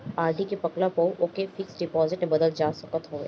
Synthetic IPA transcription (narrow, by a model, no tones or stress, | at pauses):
aːd̪ʱikepɐklapəuʔoːkefɪksɖɪpɔːzɪʈnebɐd̪əld͡ʒaːsɐkət̪ɦoːḛː